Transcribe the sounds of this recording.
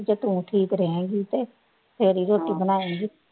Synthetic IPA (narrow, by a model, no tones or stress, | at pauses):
d͡ʒeːt̪ʊ̃ʈʰiːkɾɛẽːɡiːt̪eː | pʰeɾiːɾoːʈiːbənaːẽːɡiː